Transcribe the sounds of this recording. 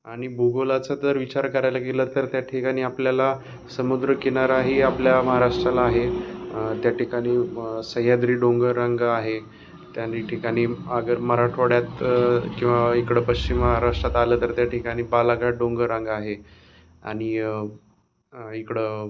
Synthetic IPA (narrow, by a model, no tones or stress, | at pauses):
aɽ̃ibʱuɡolat͡sad͡z̪əɾʋit͡ɕaɾkəɾajlakeləːt̪əɾt̪jaʈʰikaɽ̃iːapljala | səmud̪ɾəkeñaɾaɦiapljaməɦaɾaʂʈɾalaːɦe | t̪jaʈʰikaɽ̃iːsəɦjad̪ɾiːɖoŋɡəɾãŋɡaɦe | t̪janiʈʰikaɽ̃iːəɡəɾməɦɾaʈʰʋəɽjat̪kĩw̃ʋaikɽəːpəɕt͡ɕimːəɦaɾaʂʈɾat̪aləːt̪əɾt̪jaʈʰikaɽ̃iːbalaɡaʈ̚ɖoŋɡəɾaŋɡaɦe | a̰ɽ̃i | ikɽəː